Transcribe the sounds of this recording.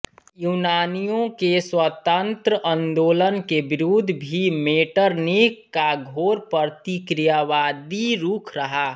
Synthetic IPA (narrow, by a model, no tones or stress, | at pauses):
juːnaːnijõkeswət̪ə̃nt̪ɾəʔə̃nd̪oːlənkebɪɾud̪ʱbʱimeːʈəɾnikːaɡʱoːɾpəɾt̪ikɾijaʋaːd̪iɾuːkʰɾəɦaː